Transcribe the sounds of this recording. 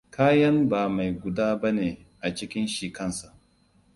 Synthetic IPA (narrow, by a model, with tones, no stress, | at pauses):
kaː˦jɐ˦mbaː˨ma˨jɡʷʊ˨daː˦bɐ˦neː˨ | ʔa˨t͡ʃɪ˦kʲɪ˦nʃi˨kɐ˦nsa˨ʔ